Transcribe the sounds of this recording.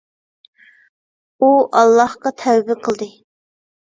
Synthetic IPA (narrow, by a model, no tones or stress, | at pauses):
uʔɑlˠːɑhqɑt̪ʰɛwbɪqʰəlˠd̪ɨ